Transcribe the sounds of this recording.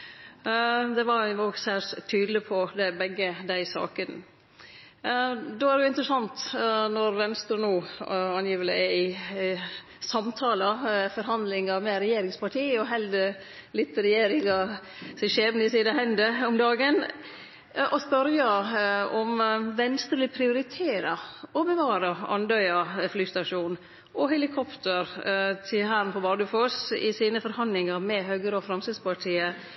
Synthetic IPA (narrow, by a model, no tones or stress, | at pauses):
d̪ɛʋɑɾoɡsæːʂt̪ʰyːd̪əlɪpʰɔd̪ɛbɛɡːəd̪æɪsɑ̰ːkən | d̪oːæɾɛjʊɪnt̪ɾəsɑnt̪nɔɾʋɛnst̪ɾʉːnuːɑnjiːʋələ̰ɛɪ | sɑmt̪ʰɑːləfɔɾɦɑnd̪lɪŋɑmɛɾɛjeːɾɪŋspɑʈʰiːɔɦɛld̪ə | lɪt̪ːɾɛjeːɾɪŋɑsɛʃeːʋnəɪsiːnəhɛnd̪əɔmd̪ɑːɡən | ʔɔspœɾjɑɔmʋɛnst̪ɾlɪpʰɾɪʊɾɪt̪ʰeːɾɑɔbəʋɑːɾɑɑ̰nd̪œʏɑflyːst̪ɑʃuːn | ʔɔɦɛlɪkʰɔpt̪əɾt̪ʰɪɦæːɾnpʰɔbɑːɖʉføːsɪ̰siːnəfɔɾhɑnd̪lɪŋɑɾmɛɦøːɡəɾɔfɾɑmsəspɑʈʰiːə